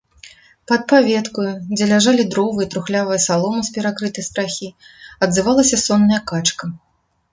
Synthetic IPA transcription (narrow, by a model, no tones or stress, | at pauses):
pɐt̪̚pavʲɛt̪kujud͡zʲɛlʲaʐalʲid̪ɾɔvɨjɐt̪ɾuxlʲavɐjɐsalˠɔmɨspʲɛɾakɾɨt̪ɐjst̪ɾaxʲiɐd̪zɨvalˠɐsʲɐsɔnːɐjɐkat͡ʂkɐ